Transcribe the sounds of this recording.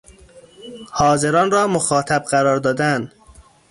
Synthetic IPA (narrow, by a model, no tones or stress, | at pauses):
hɒːzeɾɒːnrɒːmoxɒːt̪ʰæb̚ɢæɾɒːɾd̪ɒːd̪æn